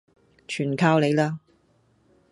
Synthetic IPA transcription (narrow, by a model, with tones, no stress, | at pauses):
t͡ʃʰyː˨˩nkʰaː˧wle˨˧jlaː˥